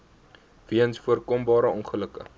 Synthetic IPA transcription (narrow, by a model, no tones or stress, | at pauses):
viənsfuərkɔmbɑːɾəɔnχələkə̰